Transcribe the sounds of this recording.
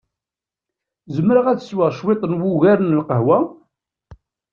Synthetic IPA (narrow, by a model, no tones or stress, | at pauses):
zəmːɾaʁæt͡sə̥swəʁʃwet̪ˤənwʊɣæɾənəlqəɦwæ